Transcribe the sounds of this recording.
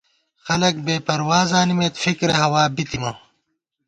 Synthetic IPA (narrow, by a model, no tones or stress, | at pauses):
xɐlɐk̚beːpɐɾwaːzaːnimeːt̪fikɾɐɦɐwaːbit̪imɐ